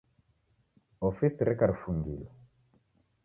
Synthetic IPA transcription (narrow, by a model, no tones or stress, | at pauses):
ɔfisiɾɛkaɾfuŋɡḭlɔ